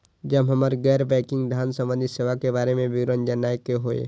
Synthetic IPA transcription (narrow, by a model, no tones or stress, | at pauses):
d͡ʒəbɦəməɾɡɛːɾbɛːkɪ̃ŋɡd̪ʱjaːnsə̃mʋə̃nd̪iseːʋakebaːɾemẽʋɪɡɾənd͡ʒənaːjkeɦoːḛ